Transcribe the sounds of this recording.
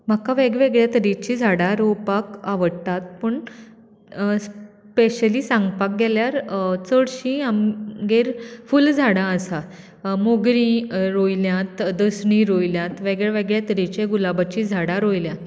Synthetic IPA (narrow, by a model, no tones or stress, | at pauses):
m̤akaʋeɡʋeɡɭjat̪əɾit͡ɕid͡zʱaɽaɾowpakaʋəɽt̪at̪̚pəɳ | s | peɕəlisãŋɡpak̚ɡɛljaɾt͡səɽɕĩamɡeɾfuld͡zʱaɽãəsa | moɡɾĩɾojljãt̪d̪əsɳĩɾojljãt̪ʋeɡɭɛʋeɡɭjat̪əɾit͡ɕeɡulabat͡ɕid͡zʱaɽaɾojljã